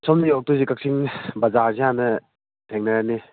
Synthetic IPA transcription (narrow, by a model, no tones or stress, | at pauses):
sɔmniɔk̚tuzikak̚sʰiŋbazazianɐ | tʰeŋnajani